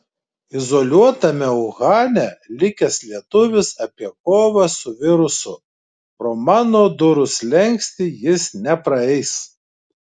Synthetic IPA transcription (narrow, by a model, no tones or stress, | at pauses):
ɪzoːlʲuɔt̪ɐmʲɛʊɣɑːnʲɛlʲɪkʲɛslʲiɛt̪ʊʋʲɪsɐpʲiɛkoːʋɐsʊʋʲɪɾʊsʊ | pɾoːmɑːnoːd̪ʊɾʊslʲɛŋʲksʲt̪ʲijɪsnʲɛpɾɐɛɪs